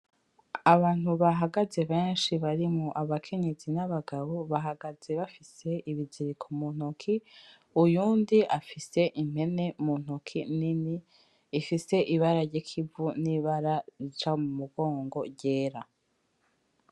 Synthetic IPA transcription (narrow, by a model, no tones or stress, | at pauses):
aβaːn̥huβaɦaɡaze̞βeːnʃiβaɾimoʔaβakʰe̞ɲe̞zinaβaɡaβoβaɦaɡaz̥e̞βafise̞ʔiβiziɾikʰomun̥okʰi | ujuːndiʔafise̞ʔim̥he̞ne̞mun̥hokʰininiː | fise̞ʔiβaɾaɾɟikʰivuniːβaɾaɾit͡ʃamumuɡo̞ːŋɡo̞ɾɟe̞ːɾa